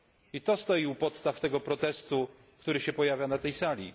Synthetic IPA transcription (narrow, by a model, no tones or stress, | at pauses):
it̪ɔst̪ɔjiupɔt̪st̪aft̪ɛɡɔpɾɔt̪ɛst̪u | kt̪uɾɘɕɛpɔjavʲjanat̪ɛjsalʲḭ